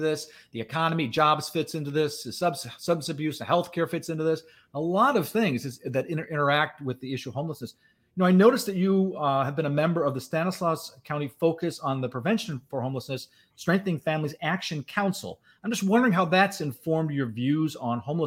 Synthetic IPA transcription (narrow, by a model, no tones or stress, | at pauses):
ðɪs | ðiɨkʰɑnɨmid͡ʒɑbz̥fɪtsɪ̃ntʉðɪsɨsʌbsʌbsɨbjʉsɨhɛlˠθkʰɛɹfɪtsɪ̃ntʉðɪs | əlɔɾʌv̥θɪ̃ŋzɨzðɨɾɪ̃nə˞ʔɪ̃ɾ̃ə˞æk̚t̚wɨðiɪʃʉʌv̥hõʊ̃mləsnɨs | jɨnoʊaɪnoʊɾɨsðɨt͡ʃɨɨvbɨ̃nɨmɛ̃mbə˞ʌvðɨstænəslɑskʰãʊ̃ɾ̃tifoʊkɨsn̩ðɨpʰɹ̥ɨvɛ̃nʃɨ̃n̩fə˞hõʊ̃mləsnɨs | tɹ̥ɛ̃ŋk̚θɨnɪ̃ŋfæ̃mlizækʃɨ̃nkʰãʊ̃nsl̩ˠ | ãɪ̃md͡ʒʌst̚wʌ̃ndə˞ɪ̃ŋɦaʊðætsɨ̃ɱfɔɹmd͡ʒjə˞vjʉzn̩hõʊ̃mlə